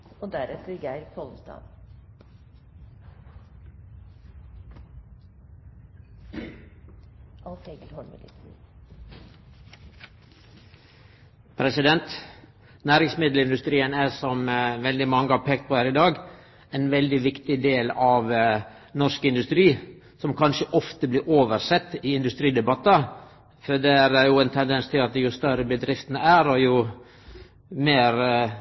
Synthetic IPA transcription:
ɔd̪æɾɛt̪əɾɡæɪɾkʰɔlˠn̩st̪ɑ̰ːd̪ | ɑlfeɡəlhɔɳmɪ̰lɪ̰t̪ | pʰɾɛsɪd̪ɛnt̪ | næːɾɪŋsmɪd̪l̩ɪnd̪ʉst̪ɾiːənæsɔmʋɛld̪ɪmɑŋːəɑʋpʰeːk̚t̪̚pʰoːhæːɾɪd̪ɑːɡ | ɛnʋɛld̪ɪʋɪkt̪ɪd̪eːlɑʋ | nɔskɪnd̪ʉst̪ɾiː | sɔmkʰɑnʃəʔɔft̪əblɪɾʔoːʋəɾsɛt̪ːɪɪnd̪ʉst̪ɾiːd̪ɛbɑt̪ːɑ | fɔd̪ɛæɾjʊɛnt̪ʰɛnd̪ɛnst̪ʰɪlɑt̪̚d̪jʊst̪œɾəbəd̪ɾɪft̪ənəæːɾɔjʊ | meːɾ

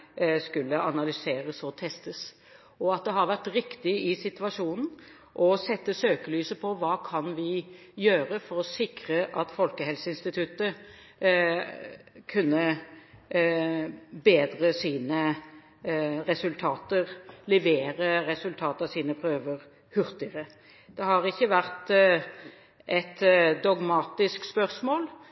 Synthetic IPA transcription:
skʉlːəʔɑnɑlʏseːɾəsɔt̪ʰɛst̪əs | ɔɑt̪̚d̪ɛɦɑʁʋæʁt̪ɾɪkt̪ɪɪsɪt̪ʋɑʂuːnn̩ | ʔɔsɛt̪ːəsøːkəlyːsəpʰɔʋɑːkʰɑnʋɪ | jøːɾəfɔɾɔsɪkɾəʔɑt̪fɔlkəhɛlsəɪnst̪ɪt̪ʰʉt̪ə | kʰʉnːə | beːd̪ʁəsiːnə | ʁɛsʉlt̪ʰɑːt̪əʁlɛʋeːɾəɾɛsʉlt̪ʰɑːt̪ɑsiːnəpʰɾøːʋəʁ | hʉʁt̪ɪəʁə | d̪̥ɛhɑʁɪçːəʋæʁt̪ | ʔɛt̪d̪ɔɡmɑːt̪ɪskspœʁsmoːl

